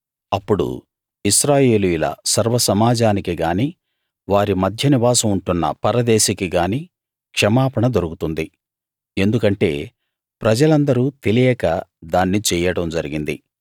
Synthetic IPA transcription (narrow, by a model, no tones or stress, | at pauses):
ɐpːuɽṵ | iʃɾaːje̞ːlujulɐ̰sɐɾʋɐsɐmaːd͡ʒaːnikiɡaːniː | ʋaːɾimɐd̪ʱjɐniʋaːsɐmuɳʈunːɐ̰pɐɾɐd̪eːʃikiɡaːniː | kʂɐmaːpɐɳɐd̪oɾukut̪und̪i | e̞nd̪ukɐɳʈe̞ː | pɾɐd͡ʒɐlɐnd̪ɐɾuːt̪e̞lijɛːkɐd̪aːnːit͡ʃɛːjɐɽɐmd͡ʒɐɾiɡind̪ḭ